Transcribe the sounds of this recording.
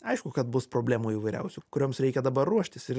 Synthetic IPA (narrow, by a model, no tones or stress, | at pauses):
ɐɪʃkʊkɐt̪bʊspɾoːbʲlʲæːmuːiʋɐɪɾʲɛ̰ʊsʲukʊɾʲoːmsɾʲɛɪkʲɛd̪ɐbɐrːuɔʃʲt̪ʲɪsɪɾ